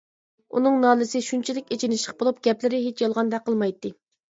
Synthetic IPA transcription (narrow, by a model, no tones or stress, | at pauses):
ṵnɨŋnɑːlɨsɪʃunt͡ʃʰilɪkʲet͡ʃʰinɪʃləq̚bolˠup̚ɡ̥ʲɛplɪɾɪɦet͡ʃjɑlˠʁɑnd̪ɛqʰːəlˠmɑjt̪ːɨ